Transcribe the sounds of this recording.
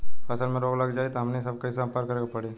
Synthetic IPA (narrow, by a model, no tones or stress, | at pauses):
ɐsəlmẽɾoːɡlɐɡd͡ʒaːet̪oɦɐmnesɐbkaɪsab̚paːɾkɐɾeːɡapɐɽe